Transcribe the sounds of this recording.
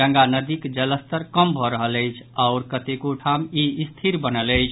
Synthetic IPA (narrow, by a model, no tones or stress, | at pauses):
əŋɡanəd̪ikd͡ʒələst̪əɾkəmbʱɔɾəɦələɪt͡ʃʰaʊɾkət̪ekoʈʰamiist̪ʰiɾbənələɪt͡ʃʰ